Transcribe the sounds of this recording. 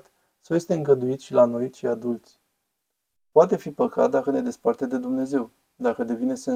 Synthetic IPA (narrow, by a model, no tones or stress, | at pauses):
t̪ | sawje̞st̪e̞ɨŋɡəd̪uit̪ʃilano̞j̪ʃiad̪ult̪sʲ | poat̪e̞fipəkat̪̚d̪akəne̞d̪e̞spart̪ed̪e̞d̪umne̞ze̞w | d̪akəd̪e̞vinese